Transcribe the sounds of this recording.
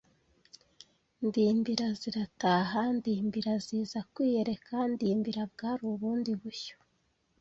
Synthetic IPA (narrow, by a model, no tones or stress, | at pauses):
ndiːmbiɾaziɾataːɦandiːmbiɾaziːzakwiːje̞ɾe̞kandiːmbiɾabɡaːɾuβuːndiβuço̥